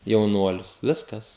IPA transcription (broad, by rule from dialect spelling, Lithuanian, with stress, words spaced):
jɛʊˈnuɔlʲʊs ˈʋʲɪskɐs